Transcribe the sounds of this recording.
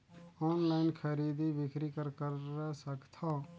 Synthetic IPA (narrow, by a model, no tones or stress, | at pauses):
ɔːnlaɪnkʰəɾiːd̪ibɪkɾikəɾkəɾɛsəkt̪ʰo